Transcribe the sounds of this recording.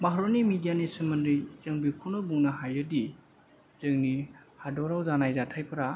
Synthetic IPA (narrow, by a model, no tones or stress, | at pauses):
maɦɾɔnimidijanisɯmɐndɾijzɯŋbikʰunɔbuŋnaɦajɯdi | z̥ɯŋnihadɔɾawzanajzatʰajpʰɯɾa